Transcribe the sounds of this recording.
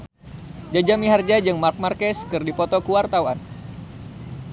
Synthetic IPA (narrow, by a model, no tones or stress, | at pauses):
d͡ʒad͡ʒamiɦard͡ʒad͡ʒɨŋmark̚markɛskɨrdipɔt̪ɔkuwart̪awan